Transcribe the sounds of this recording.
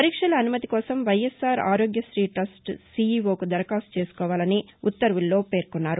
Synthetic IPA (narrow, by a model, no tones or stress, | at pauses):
pɐɾiːkʂɐlɐːnumɐt̪ikɔːsɐmʋɐjesaːɾa̰ːɾo̞ːɡjɐʃɾiːʈɐsʈsiːiːʋo̞ːkud̪ɐɾɐkaːsu̥t͡ʃe̞ːsu̥kɔːʋaːlɐniut̪ːɐɾʋilːo̞ːpe̞ːɾkunːaːɾu